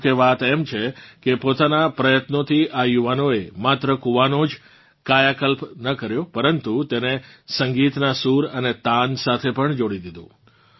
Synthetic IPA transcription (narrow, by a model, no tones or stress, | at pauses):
keʋat̪ɛmt͡ʃʰekepot̪anapɾəjət̪not̪ʰiʔajuʋanoemat̪ɾəkuʋanod͡ʒ | kajakəlpnəkəɾjopəɾənt̪ut̪enesəŋɡit̪nasuɾənet̪ansat̪ʰepəɳd͡ʒoɽid̪id̪ṵ̃